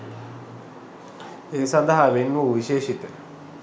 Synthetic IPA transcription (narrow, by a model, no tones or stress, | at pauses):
eːsɐnd̪ɐɦaʋenʋuuʋiʃeːʃit̪ə